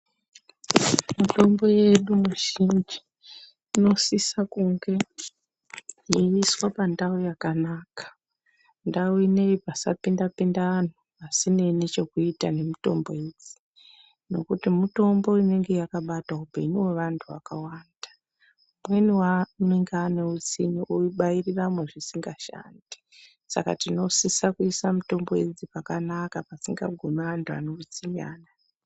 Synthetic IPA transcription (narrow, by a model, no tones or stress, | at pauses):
muto̞mbo̞je̞ɗumuʒiɲd͡ʒi̥ | ino̞sisakuŋɡe̞ | jeiswapandaujakanaːkḁ | ndauine̞ipasa̰pindapindaan̤uʋasine̞net͡ʃe̞kuitane̞mito̞mbo̞ed͡zi̥ | no̞kutimuto̞mbo̞ine̞ŋɡe̞jakaɓataupe̞ɲiwe̞ʋantʰuʋa̰kawaːndḁ | umwe̞niwaneŋɡaːneut͡siɲioiɓajiriramweʐisiŋɡaʃa̰ndi̥ | sa̰ka̰tino̞sisakuisamuto̞mbo̞ed͡zipakanakapasiŋɡa̰ɡʱomeʋantʰua̰neut͡siɲa̰ːna